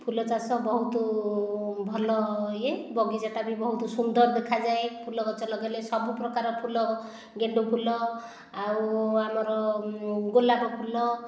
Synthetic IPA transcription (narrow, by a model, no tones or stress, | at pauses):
pʰulɔt͡ʃasɔbɔɦut̪ɔ | bʱɔlɔjebɔɡid͡ʒaʈabibɔɦut̪ɔsund̪ɔɾd̪ekʰad͡ʒaepʰulɔɡɔt͡ʃɔlɔɡelesɔbupɾɔkaɾɔpʰulɔ | ɡeɳɖupʰulɔ | awamɔɾɔɡolaɾɔpʰulɔ